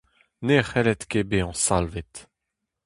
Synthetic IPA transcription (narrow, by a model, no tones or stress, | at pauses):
neχɛlɛt̪kebeɑ̃salvet̪